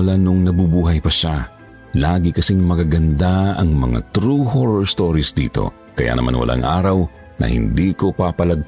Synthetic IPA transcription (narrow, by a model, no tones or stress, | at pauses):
ɐlanʊŋnɐbubuːɦɐjpɐʃa | laːɡɪkɐsiŋmɐkaɡɐnd̪aɐŋmɐ̰ŋa̰t̪ɾuhoɾɔɹst̪oːɾisd̪iːt̪o̞̰ | kɐja̰nɐ̰ma̰nwɐ̰lʔa̰ŋʔaːɾɐw | nɐ̰hɪ̰nd̪iːko̞papɐlɐɡ̚